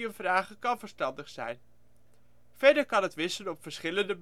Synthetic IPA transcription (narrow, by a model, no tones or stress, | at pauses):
ənvraːχəkɑnvəɹstɑndəχsɛ̰jn | v̥ɛɹdəɹkɑnɦətʋɪsənɔpfəɹsχɪləndəb